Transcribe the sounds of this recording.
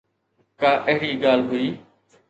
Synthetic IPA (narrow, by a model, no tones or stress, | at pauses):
kaːʔəɦɾiːɡaːlɦʊiː